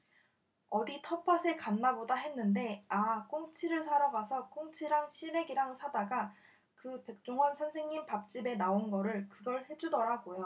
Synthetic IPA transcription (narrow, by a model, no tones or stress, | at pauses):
ʌditʰʌpʰasʰe̞kanːabodaɦe̞nːɯnde̞ak͈oŋt͡ɕʰiɾɯɭsʰaɾaɡasʰʌk͈oŋt͡ɕʰiɾaŋɕʰiɾe̞ɡiɾaŋsʰadaɡa | kɯpe̞k̚t͡ɕ͈oŋʌnsʰʌnsʰe̞ŋɲimpap̚t͡ɕ͈ibe̞naonɡʌɾɯɭkɯɡʌɭhe̞d͡ʑudʌɾaɡojo